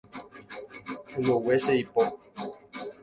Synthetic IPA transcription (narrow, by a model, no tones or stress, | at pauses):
õmõweseipo